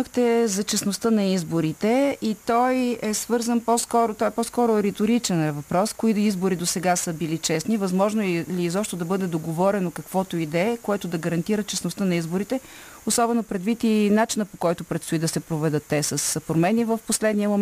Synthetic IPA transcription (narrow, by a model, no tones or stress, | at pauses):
xt̪ɛzɐt͡ʃɛsnost̪ənɐizboɾit̪ɛit̪ɔjɛsvɤɾzənpɔskɔɾot̪ɔjɛpɔskɔɾʊɾɛt̪oɾit͡ʃɛnɛvɐpɾɔskoid̪izboɾid̪osɛɡasəbilit͡ʃɛsnivɐzmɔʒnoɛliːzɔpʃt̪od̪ɐbɤd̪ɛd̪oɡovɔɾɛnokɐkvɔt̪oid̪ɛkoɛt̪ʊd̪ɐɡɐɾɐnt̪iɾət͡ʃɛsnʊst̪ənɐizbʊɾit̪ɛ | osɔbɛnopɾɛd̪vit̪inat͡ʃinəpokɔjt̪ʊpɾɛt̪st̪oid̪ɐsɛpɾovɛd̪ɤt̪ːɛsɐspɾomɛnivəfposlɛd̪niəmom